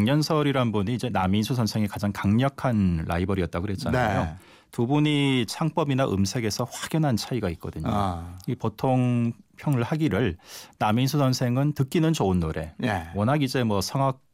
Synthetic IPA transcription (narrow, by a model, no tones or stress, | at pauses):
ŋɲʌnsʰʌɾiɾanbuniːd͡ʑe̞naminsʰusʰʌnsʰe̞ŋekad͡ʑaŋkaŋɲʌkʰanɾa̰ibʌɾiʌt̚t͈aɡoɦe̞t̚t͡ɕ͈anajo | tubuɲit͡ɕʰaŋp͈ʌbinaʔɯ̰msʰe̞ɡe̞sʰʌɸwaɡ̥jʌnɦant͡ɕʰaiɡait̚k͈ʌdɯɲo̰ipotʰoŋpʰjʌŋɯɭhaɡiɾɯɭnaminsʰusʰʌnsʰe̞ŋɯntɯk͈inɯnt͡ɕoɯnːoɾʔe̞̰jewʌnaɡid͡ʑe̞mwʌsʰʌŋak̚